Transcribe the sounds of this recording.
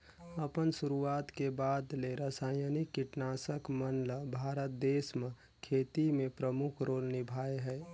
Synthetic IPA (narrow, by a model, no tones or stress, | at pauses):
əpənsʊɾuaːt̪kebaːd̪leɾəsaːjənikːɪʈnaːsəkmənləbʱaːɾət̪̚d̪eːsmə | kʰeːt̪imẽpɾəmʊkʰɾoːlnɪbʱaːeɦɛː